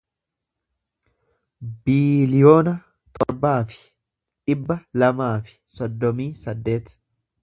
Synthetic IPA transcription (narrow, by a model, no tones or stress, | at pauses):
biːlɪjo̞ːnɐ | t̪ɔɾbaːfɪ̥ | ᶑɪbːɐlɐmaːfɪ̥sɔd̪ːɔmiːsɐd̪ːe̞ːt̪